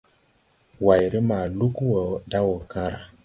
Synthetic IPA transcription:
wa˨jɾə˦ma˨lu˦kwo˨da˦wo˨kã˦ɾa˨

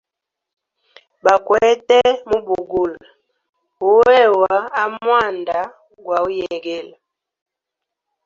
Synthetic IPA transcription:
ba˨kwɛ˨˦tɛ˦mu˦bu˨ɡu˨l | u˦wɛ˦˨wa˨˦a˦mwa˦˨nda˨˦ | ɡwa˨u˦jɛ˨ɡɛ˦la˨

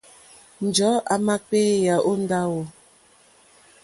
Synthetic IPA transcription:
n̩˨d͡ʒɔ˨˦ʔa˨ma˦pe˦ja˨ʔo˦n̩˦da˦wɔ˨

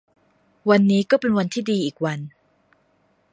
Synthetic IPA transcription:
wa˧nːiː˦˥kɔː˥˩pe˧nwa˧nt̪ʰiː˥˩diː˧ʔiː˨˩k̚wa˧n

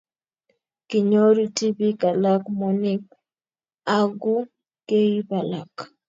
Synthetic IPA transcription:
kɪ˨ɲo˦ɾu˦ti˦bi˦ka˨la˦kmo˨nɪ˦k̚ | a˦ɡu˦ | ke˦i˦pa˨la˨k

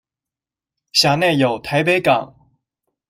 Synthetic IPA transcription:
ɕja˨˩ne˥˩ɪjo˨˩ʊt̪ʰa˧˥ɪp̬e˧˥ɪkɑ̰˨˩˦ŋ

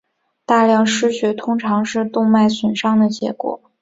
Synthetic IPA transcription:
t̪a˥˧ljɑ˥˩ŋʂɻ̩˥ɕɥɛ˧˥t̪ʰʊ˥ŋʈ͡ʂʰɑ˧˥ŋʂɻ̩˥˧t̪ʊ˥˧ŋma˥˩ɪswə˨˩nʂɑ˥ŋd̪ə˨t͡ɕjɛ̰˧˥kwɔ̰˨˩˦

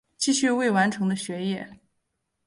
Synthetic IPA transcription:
t͡ɕi˥˧ɕy˥˧we˥˩ɪwa˧˥nʈ͡ʂʰɤ˧˥ŋd̪ə˧ɕɥɛ˧˥jɛ˥˩

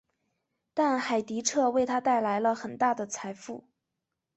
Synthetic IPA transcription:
t̪a˥˩nxa˨˩ɪt̪i˧˥ʈ͡ʂʰɤ˥˧we˥˩ɪt̪ʰa˥t̪a˥˩ɪla˧˥ɪlə˧xə˨˩nt̪a˥˩d̪ə˩t͡sʰa˧˥ɪfu˥˩

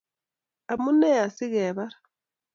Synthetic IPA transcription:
a˨mu˦nɛ˦a˨si˦ɣɛː˨βa˦ɾḁ

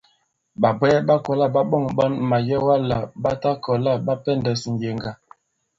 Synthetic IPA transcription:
ba˨bɛ˦ɓa˦kɔ˨la˦ba˦ɓɔ˦˨ŋɓɔ˦nma˨jɛ˦wa˦la˨ba˦ta˦kɔ˨la˦˨ba˦pɛ˦˨ndɛ˨sn̩˨je˨ŋɡa˨

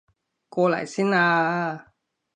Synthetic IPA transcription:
kɔː˧la̰˨˩jsiː˥naː˧

